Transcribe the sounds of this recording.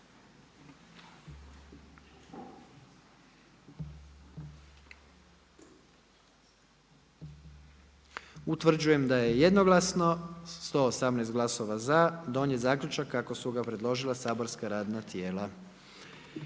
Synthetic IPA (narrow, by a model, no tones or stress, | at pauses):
ut̪ʋr̩d͡ʑuje̞md̪ajeje̞d̪no̞ɡlˠasno̞st̪o̞ːsamnɛːst̪ɡlˠaso̞ʋazad̪o̞njezaːkʎʲut͡ʃakːako̞suɡapɾe̞d̪lˠo̞ʒilˠasaːbo̞ɾskaɾaːd̪nat̪je̞ːla